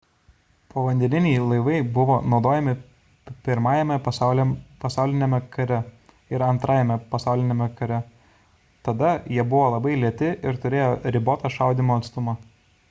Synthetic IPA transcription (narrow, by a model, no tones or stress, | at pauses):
poːʋɐnʲd̪ʲɛnʲɪnʲɛɪlˠɐɪʋɐɪbʊʋoːnɒʊd̪oːjɛmʲɪ | pʲɪɾmɑːjɛmʲɛpɐlʲpɐsɑˑʊlʲɪnʲɛmʲɛkɐɾʲɛ | ɪɾɐnt̪ɾʔɑːjɛmʲɛpɐsɑˑʊlʲɪnʲɛmʲɛkɐɾʲɛ | t̪ɐd̪ɐjiɛbʊʋoːlˠɐbɐɪlʲiɛt̪ʲɪʔɪɾt̪ʊɾʲeːjoːɾʲɪboːt̪ɐʃɐʊd̪ʲimoːɐt̪st̪ʊmɑ